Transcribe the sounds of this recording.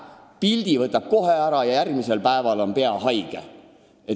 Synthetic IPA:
pilʲd̪̥ivɤt̪ːˑɑb̥̚ko̞ɦe̞æɾɑjɑjærɡmise̞lpæe̞vɑlo̞npe̞ɑɦɑjɡ̥ḛ | e

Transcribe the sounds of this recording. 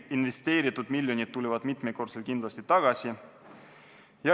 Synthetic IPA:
invest̪eːɾit̪ːˑud̪milʲjo̞nʲid̪̥̚t̪ːulevɑd̪̥mit̪meko̞rselkind̪lɑsʲt̪it̪ɑɡ̥ɑsʲi | jɑ

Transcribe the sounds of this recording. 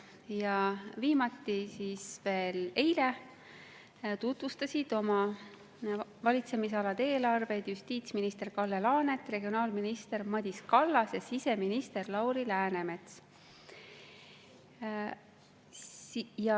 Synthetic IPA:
jɑviːmɑt̪ːˑisiːsve̞ːle̞jle | t̪ut̪vust̪ɑsid̪̥o̞mɑ | vɑlʲit̪se̞miseɑlɑd̪e̞ːlɑrve̞t̪just̪iːt̪sminist̪e̞rkɑlːe̞lɑːne̞t̪ːˑre̞ɡio̞nɑːlminist̪e̞ɾmɑd̪̥ʲiskɑlːɑsjɑsise̞minist̪e̞rlɑwɾilæːne̞me̞t̪s | jɑ

